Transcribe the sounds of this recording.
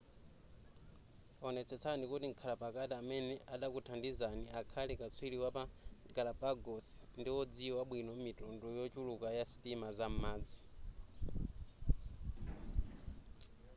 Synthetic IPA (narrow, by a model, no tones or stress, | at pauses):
ɔnɛt͡sʰɛt͡sʰanikutiŋkʰalapakatiamɛnɛʔaɗakutʰandizaniakʰalɛkat͡sʰwiliwapaɡalapaɡɔsndiwɔd͡ziwaɓwinɔmitɔndɔjɔt͡ʃulukajasi̥timazam̩maːd͡zi